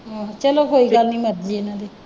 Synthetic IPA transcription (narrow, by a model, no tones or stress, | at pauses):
ɔt͡ʃɛlɔkoikalnĩmadlienãde